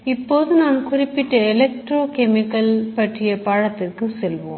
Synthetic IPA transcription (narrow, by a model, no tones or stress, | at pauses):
ɪpːoːðɯnaːnkʊrɪpːɪʈːɐɛlɛk̚ʈɾoːkɛmɪkːɐlpɐʈrɪjɐpaːɻɐt̪ːɪrkɯsɛlʋo̰ːm